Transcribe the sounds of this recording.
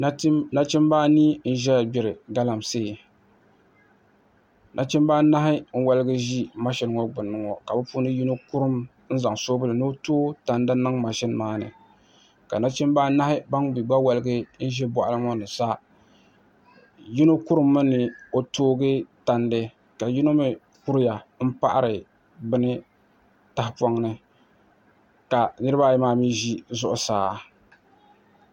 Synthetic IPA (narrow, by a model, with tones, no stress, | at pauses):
na˦t͡ʃɪ˦mbaː˦niː˦n̩˦ʒɛ˦˨bɪ˨ɾɨ˨ɡa˦la˨mse˦˨ | nʔa̰˦t͡ʃɪ˦mbaː˦na˦ɦɪ˦ŋ̩˦wa˦lɨ˦ɡɨ˦ʒi˦ma˦ʃɪ˦n˦ŋɔ˦ɡ͡bɨ˨nːɨ˦ŋɔ˨ka˨bɨ˦pu˦nɨ˦ji˦no˦ku˦ɾɨ˦m | n̩˦za˨ŋsoː˦bɨ˦lɨ˨nɨ˦o˦toː˦ta˨nda˦nɨ˦ŋma˨ʃɪ˦n˦maː˦nɨ̰˨ | ka̰˨na˦t͡ʃɪ˦mbaː˦na˦hɪ˦ba˦ŋbi˨ɡ͡ba˦wa˨lɨ˦ɡɨ˦n̩˦ʒɛ˦bɔ˨ʔa˨lɨ˦ŋɔ˦nɨ˨sa˦ | ji˦no˦ku˦ɾɨ˨˦mːɨ˦nɨ˨o˦toː˦ɡɨ˦ta˨ndɨ˦ | ka˨ji˦no˦mi˦ | ku˦ɾɪ˦ja˨m̩˦pa˦ʔa˦ɾɪ˨ | bɨ˦nɨ˦ | ta˨hɪ˦pa˦ŋnɨ˦ | ka˨nɨ˦ɾɨ˦ba˦˨jɛ˦maː˦miː˦ʒi˦zʊ˦ʔʊ˨saː˨˦